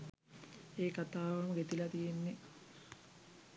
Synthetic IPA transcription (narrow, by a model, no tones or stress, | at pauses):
eːkat̪aːʋɐməɡet̪ilɐt̪ijenːe